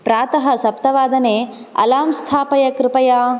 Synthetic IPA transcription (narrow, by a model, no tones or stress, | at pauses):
pɾaːt̪ɐɦɐ̆sɐp̚t̪ɐʋaːd̪ɐneː | ɐ̰laːmst̪ʰaːpɐjɐkɾɪpɐjaː